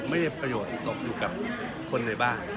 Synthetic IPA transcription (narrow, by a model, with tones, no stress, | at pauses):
ma˥˩jda˥˩pɾa˧joː˨˩˦t̪̚ːɔː˨˩k̚juː˨˧ka˨˩p̚ | kʰo˧nːa˧jbaː˥˩n